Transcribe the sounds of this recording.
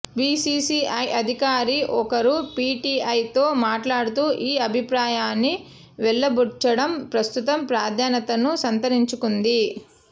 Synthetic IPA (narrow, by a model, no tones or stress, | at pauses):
biːsiːsiːɐjʔɐd̪ʱikaːɾiʔɔkɐɾupiːʈiːɐjt̪o̞ːmaːʈlaːɽut̪uːʔiːɐbʱipɾaːjaːnːi | ʋɛɭːɐbut͡ʃːɐɽɐmpɾɐst̪ut̪ɐmpɾaːd̪ʱjaːnɐt̪ɐnusɐnt̪ɐɾiɲt͡ʃukund̪i